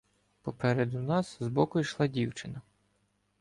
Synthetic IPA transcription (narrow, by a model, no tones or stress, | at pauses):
pɔpɛɾed̪ʊnɑszbɔkʊijʃlˠɑdʲiwt͡ʃɪnɐ